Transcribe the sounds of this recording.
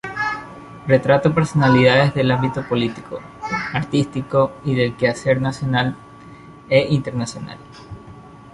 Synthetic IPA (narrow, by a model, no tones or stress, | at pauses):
re̞t̪ɾat̪ope̞ɾso̞naliðað̞ezðe̞lambit̪o̞po̞lit̪iko | aɾt̪ist̪iko̞iðe̞lkease̞ɾnasjo̞nal | eint̪e̞ɾnasjo̞na̰l